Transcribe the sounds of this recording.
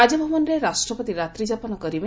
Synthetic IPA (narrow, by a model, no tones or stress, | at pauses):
ad͡ʒɔbʱɔbɔnɾeɾasʈɾɔpɔt̪iɾat̪ɾid͡ʒapɔnɔkɔɾibe